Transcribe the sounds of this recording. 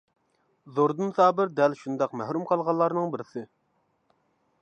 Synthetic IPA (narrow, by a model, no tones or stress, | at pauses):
zoɾd̪ɨnsɑːbɪɾd̪ɛlʃund̪ɑqmɛhɾumqʰɑlˠʁɑlˠːɑɾnɨŋbɪɾɪsɪ